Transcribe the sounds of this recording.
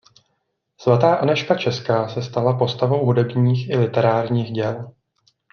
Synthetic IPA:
svat̪aːʔanɛʃkat͡ʃɛskaːsɛst̪alapo̞st̪avo̞wɦudɛbɲiːxʔɪlɪt̪ɛɾaːɾɲiːxɟɛl

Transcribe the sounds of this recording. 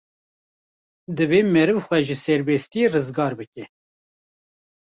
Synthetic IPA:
d̪ɨveːmɛɾɨvxʷɛʒəsɛɾbɛst̪ijerɨzɡɑːɾbɨkʲɛ

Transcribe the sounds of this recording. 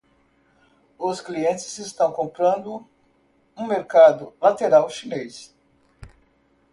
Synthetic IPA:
ʊskliẽnt͡ʃɪzest̪ɐ̃w̃kõmpɾɐ̃nd̪ʊ | ũmeɾkad̪ʊlat̪eɾawʃinejs

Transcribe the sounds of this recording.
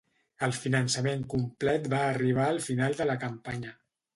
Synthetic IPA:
əlˠfinənsəmeŋkumplɛt̪baːriβ̞aəlˠfinalˠd̪ələkəmpaɲə

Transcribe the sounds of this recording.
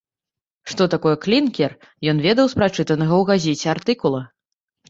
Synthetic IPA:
ʂt̪ɔt̪akɔjɛklʲinkʲɛr | jɔnvʲɛd̪ɐwspɾat͡ʂɨt̪ɐnɐɣɐwɣazʲɛt͡sʲɛart̪ɨkulˠɐ

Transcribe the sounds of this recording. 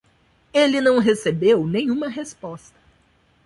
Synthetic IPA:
elinɐ̃w̃ɦesebewnẽjɲ̃ũmɐɦespɔst̪ɐ̥

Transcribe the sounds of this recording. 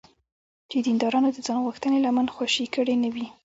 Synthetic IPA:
d͡ʒed̪ind̪ɑɾɑnod̪əd͡zɑnɣuxt̪ənelamanxwaʃikəɽenəwi

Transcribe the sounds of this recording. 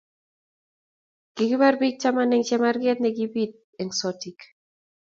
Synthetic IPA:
ɡ̥ɪɡɪbarbik̚t͡ʃamanɛŋt͡ʃɛmarɡɛt̪̚nɛɡibit̚ | ɛŋsɔtik

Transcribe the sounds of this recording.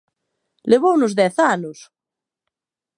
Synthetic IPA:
leβownʊzðɛθanʊs

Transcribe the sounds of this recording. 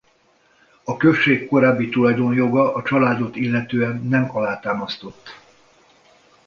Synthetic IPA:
ɒkø̞ʃːeːkːo̞ɾaːbːit̪ulɒjd̪o̞njo̞ɡɒʔɒt͡ʃɒlaːd̪o̞t̪ilːɛt̪øːɛnːɛmɒlaːt̪aːmɒst̪o̞t̪ː

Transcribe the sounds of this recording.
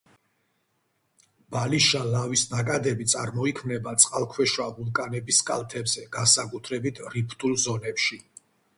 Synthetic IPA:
b̥aliʃalavisnakʼad̪ɛbit̪sʼaɾmɔikʰmnɛbat̪sʼqʼalˠkʰwɛʃwavulˠkʼanɛbiskʼa̰lˠt̪ʰɛbz̥ɛɡ̥ansakʼut̪ʰɾɛbit̪ʰɾipʰt̪ʼulˠzɔnɛpʃi

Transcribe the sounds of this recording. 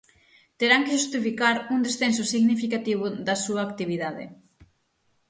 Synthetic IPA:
t̪eɾaŋkeʃust̪ifikaɾuŋd̪esθensʊsiɣnifikat̪iβʊðɐsuɐːkt̪iβiðaðḛ

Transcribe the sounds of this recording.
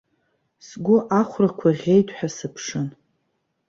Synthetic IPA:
sɡʷʊʔaχʷrakʷʰaʁʲe̞jtʰʷʼħʷᶣasɨpʰʂɨn

